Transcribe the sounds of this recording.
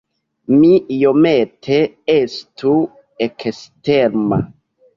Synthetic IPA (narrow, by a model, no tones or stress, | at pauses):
mijometʰe | estu | eksteɾma̰